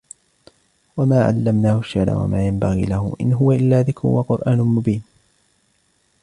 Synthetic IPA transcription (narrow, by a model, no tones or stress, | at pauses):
wamaːʕa̰lːamnaːhʊʃɪʕɾa̰wa̰maːjambaɣḭːlahʊ̰ʔɪ̰nɦʊwaʔɪlːaːðɪkɾʊ̰waqʊɾʔaːnʊmʊbiːn